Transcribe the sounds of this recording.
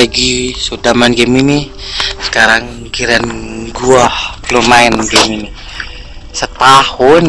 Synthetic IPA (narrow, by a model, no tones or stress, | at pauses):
aɡisudamanɡɛminisə̥kaɾaŋ | ɡiɾanɡuahlomaɛnɡɛmini | sət̪ahʊn